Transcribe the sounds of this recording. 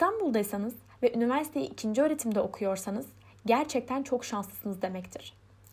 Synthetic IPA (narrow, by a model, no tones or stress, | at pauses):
st̪ʰanbulˠd̪ajsanɯz | vɛʔynivæɾsi̥t̪ʰe̞jḭʔːcʰind͡ʒiøɾe̞t̪ʰimd̪ɛo̞kʰujo̞ɾsanɯz̥ | ɟæɾt͡ʃʰɛc̚t̪ʰænt͡ʃʰo̞kʃanslˠɯ̥sɯnɯzd̪e̞mɛct̪ʰiɾ̥